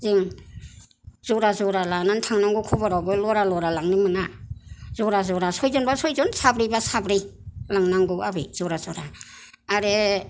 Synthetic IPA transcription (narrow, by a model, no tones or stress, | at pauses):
zɯŋ | z̥ɔɾazɔɾalanantʰaŋnaŋɡɔkʰɔbaɾawbɯlɔɾalɔɾalaŋnimɯnazɔɾazɔɾasɔjzɔnbasɔjzɔnsabɾibasabɾilaŋnaŋɡuabiz̥ɔɾazɔɾaː | ɾe